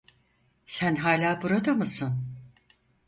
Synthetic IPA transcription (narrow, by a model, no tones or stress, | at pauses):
sænɦaːlʲaːbuɾad̪amɯsɯn